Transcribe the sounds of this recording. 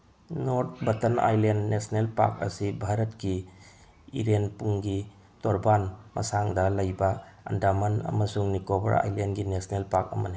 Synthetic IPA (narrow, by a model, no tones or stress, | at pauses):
noɾt̚bɐtɐna̰jlendːesnelpa̰k̚ɐsibʱaɾɐt̚ki | iɾenpuŋɡi | toɾbanmɐ̰saŋdɐlɐjbɐɐ̰ndamɐnɐ̰mɐsuŋnikobɐ̰ɾa̰jlenɡinesnelpak̚ɐ̰mɐni